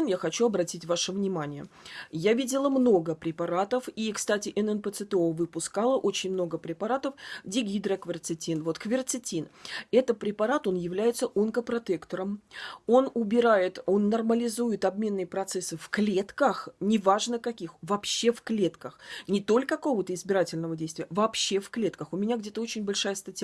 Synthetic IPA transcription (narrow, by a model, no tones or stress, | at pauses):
njaxɐt͡ɕuɐbɾɐtʲitʲvaʂəvnʲɪmanʲɪjə̰javʲidʲɪlˠəmno̞ɡəpɾʲɪpɐɾat̪əfikst̪atʲɪʔɛnɛnpət̪sɨt̪əovɨpʊskalˠəʔo̞t͡ɕɪnʲmno̞ɡəpɾʲɪpɐɾat̪əfdʲɪɡʲid̪ɾəkvʲɪrt̪sɨtʲinvo̞t̪kvʲɪrt̪sɨtʲinɛt̪ət̪̚pɾʲɪpɐɾat̪o̞njɪvlʲæjɪt̪səʔunkəpɾɐt̪ekt̪əɾəmo̞nʊbʲɪɾajɪt̪o̞nːɐrməlʲɪzujɪt̪ɐbmʲe̞nːɨjəpɾɐt̪sɛsːɨfklʲe̞t̪kəxnʲɪvaʐnəkɐkʲixvɐpɕːe̞fklʲe̞t̪kəxnʲɪt̪o̞lʲkəɐko̞vət̪əɪzbʲɪɾatʲɪlʲnəvədʲejst̪vʲɪjəvɐpɕːe̞fklʲe̞t̪kəxʊmʲɪnʲaɡdʲe̞t̪əot͡ɕɪnʲbɐlʲʂajəst̪ɐtʲ